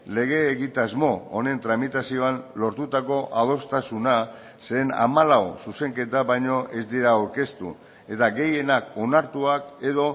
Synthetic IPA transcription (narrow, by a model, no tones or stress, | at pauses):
le̞ɣ̞e̞ːɣit̪azmo̞one̞nt̪ɾamit̪asio̞anlo̞ɾt̪ut̪ako̞ʔað̞o̞st̪asuna | seːna̰malawsuse̞ŋke̞t̪aβajɲo̞ʔe̞zd̪iɾaoɾke̞st̪ṵ | e̞t̪aɣe̞je̞nako̞naɾt̪uake̞ðo̞